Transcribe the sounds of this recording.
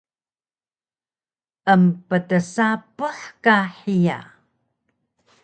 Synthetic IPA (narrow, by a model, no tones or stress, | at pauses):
ʔəmpətəsapəħkaħija̰